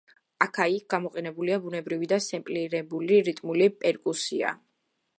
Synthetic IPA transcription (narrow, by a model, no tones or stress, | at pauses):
akʰaik̚ɡ̥amɔqʼɛnɛbuliabunɛbɾivid̪asɛmpʼliɾɛbuliɾit̪ʼmulipʼɛɾkʼusia̰